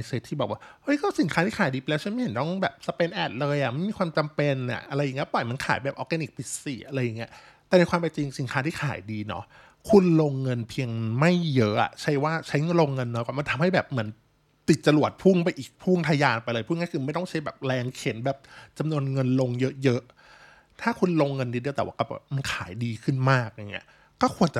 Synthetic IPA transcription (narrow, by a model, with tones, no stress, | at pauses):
a˧jseː˦˥t̪ʰːiː˥˩ɔ˨˩kwaː˥˩hɤ˦˥jkɔː˥˩si˩˦nkʰa˦˥t̪ʰiː˥˩aː˨˩˦jdiː˧pa˧lːwt͡ɕa˦˥nm˥˩he˨˦nt̪ɔ˥˩ŋbɛː˨˩p̚sa˧pe˧nʔɛː˨˩t̪̚lɤː˧jʔa˨˩ma˥˩jmiː˧kʰwaː˧mt͡ɕa˧mpe˧nʔa̰˨˩ʔa˧ɾa˧jːŋi˦˥˩pɔ˨˩jma˧˥nkʰa̰ː˨˩˦jbɛː˨˩p̚ʔɔː˧˥kɡɛ˧ni˨˩k̚pʰi˦˥siː˨˩ʔa˧ɾa˧jːa˨˩ŋːi˦˥ɐt̪ɛː˨˩na˧jkʰwaː˧pa˧t͡ɕi˧ŋsi˨˩˦nkʰaː˦˥t̪ʰiː˥˩xʰa̰ː˨˩˦jdiː˧nɔ̰˦˥ | kʰu˧nlo˧ŋːɤ˧npʰi˧əŋma˥˩jːɤ˦˥ʔa̰˨˩t͡ɕʰa˦˥jwaː˥˩t͡ɕʰa˦˥jŋɤ˧nloː˧ŋːɤ˧nː˧˦kɔː˥˩ma˧nt̪ʰa˧mha˥˩bɛː˨˩p̚mɯ˩˦ən | t̪i˨˩t̪̚t͡ɕa˧lu˨˩ət̪̚pʰu˥˩ŋpa˧jʔiː˨˩k̚pʰu˥˩ŋt̪ʰa˧jaː˧npa˧jlɤː˧jpʰu˥˩ŋa˥˩kɯː˧ma˥˩jt̪ɔ˥˩ŋt͡ɕʰa˦˥jbɛː˨˩p̚lɛː˧ŋkʰe˩˦nbɛː˨˩p̚t͡ɕa˧mnu˧ənŋɤ˧nlo˧ŋjɤ˦˥ʔjɤ˦˥ʔ | t̪ʰaː˥˩kʰu˧nloː˧ŋːɤ˧ndiː˧di˧t̪ɛː˨˩wa̰ː˥˩kɔː˥˩bɛ̰ː˨˩p̚ma˧nkʰaː˩˦jdiː˧kʰɯ˥˩nmaː˥˩k̚a˧˩ŋːi˦˥ɐ | kɔː˥˩kʰu˧ənt͡ɕa˨˩